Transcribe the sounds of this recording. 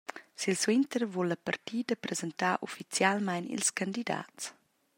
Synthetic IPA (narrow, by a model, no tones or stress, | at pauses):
silswɪnt̪əɾvɔlːapartiːdəpɾɛzɛntaːʔɔfit͡sjalmajnḭlskandida̰ːtt͡s